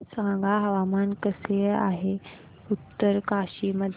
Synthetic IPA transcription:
sãŋɡʱaɦəʋamankəsəa̰ɦe | ut̪ːəɾkaɕiməd̪ʱ

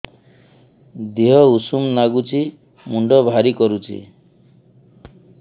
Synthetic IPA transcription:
d̪iɦɔusumnaɡut͡ʃʰi | muɳɖɔbʱaɾikɔɾut͡ʃʰḭ

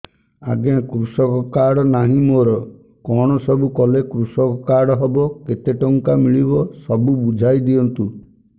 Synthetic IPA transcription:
aɡeãkɾusɔkɔkaɽɔnaɦĩmoːɾɔ | kɔɽ̃ɔsɔbukɔlekɾusɔkɔkaɽɔɦɔbɔket̪eʈɔŋkamiɭibɔsɔbubud͡ʒʱajd̪iɔnt̪u

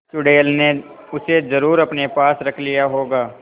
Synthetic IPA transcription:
t͡ʃʊɖeːlne | ʊsezɐɾuːɾɐpnepaːsɾɐkʰlijaɦoːɡaː

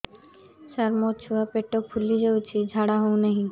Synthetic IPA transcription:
saɾmot͡ɕʰuwapeʈːopʰulːid͡ʑawt͡ɕʰid͡ʑʱaɽaɦowneɦĩ

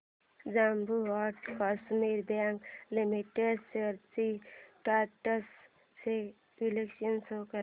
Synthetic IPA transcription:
d͡ʒambuʋaʈkasmiɾbaŋklimiʈeɖseɾt͡ʃiʈaːʈɐs | se | ilekʃɐnsoːkɐ

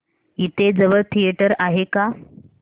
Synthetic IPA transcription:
it̪ed͡zəʋəɾt̪ʰijeʈəɾaɦeka

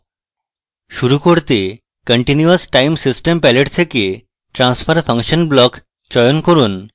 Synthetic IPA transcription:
ʃuɾukoɾt̪e | kəɳʈinjuəsʈajmsisʈempɛleʈt̪ʰeke | ʈɾansfʰəɾfʰəŋʃənblɔk | t͡ɕɔjonkoɾun

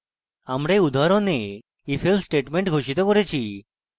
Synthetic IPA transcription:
amɽeud̪ʱaɾɔne | ifʰelsʈeʈmeɳʈɡʱoʃit̪ɔkɔɾet͡ɕʰi

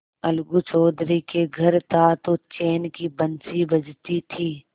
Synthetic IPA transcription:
ɐlɡut͡ʃɔːd̪ɾikeɡʱɐɾt̪ʰat̪ot͡ʃeːnkibənt͡ʃibəd͡ʒt̪it̪ʰiː

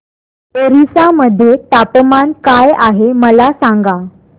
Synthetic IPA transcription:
eɾisaməd̪ʱːjet̪apmankajaɦeməlasaŋɡa

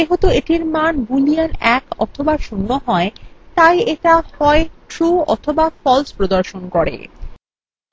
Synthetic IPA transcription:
eɦot̪oeʈiɾmanbulianɛkɔ̰t̪ʰobaʃunːoɦɔet̪ajeʈahɔeʈɾuɔ̰t̪ʰobafɔlspɾod̪oɾʃonkɔɾḛ

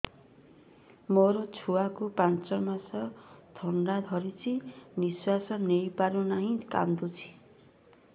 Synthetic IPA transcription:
moɾot͡sʰuwakupant͡sʌmasʌt̪ʰʌɳɖad̪ʱʌɾit͡sʰiniswasʌnejpaɾunaɦĩka̰nd̪ut͡sʰi̥

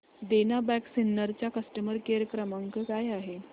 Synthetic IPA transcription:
d̪enabæksinːəɾt͡ɕjakəsʈəməɾkeɾəkɾəməŋkəkajaɦe

